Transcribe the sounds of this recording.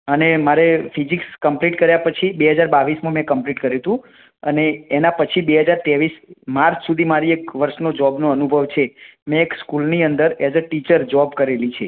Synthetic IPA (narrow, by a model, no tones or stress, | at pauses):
ənemaɾefid͡ʒikskəmpliʈkəɾjapət͡ʃʰibeɦəd͡ʒaɾbaʋismãmɛ̃kəmpliʈkəɾet̪ũ | əneːnapət͡ʃʰibeɦəd͡ʒaɾt̪eʋismaɾt͡ʃʰsud̪ʱimaɾiekʋəɾʃnod͡ʒɔbnoənubʱəʋt͡ʃʰemɛ̃ːkskulniənd̪əɾed͡ʒəʈit͡ʃəɾd͡ʒɔbkəɾelit͡ʃʰe